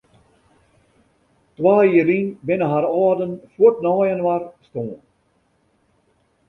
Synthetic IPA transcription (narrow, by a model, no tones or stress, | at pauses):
t̪waːiəɾiŋbenəɦaɾɑːd̪ənfuʈnɔːjənʋaɾst̪õːn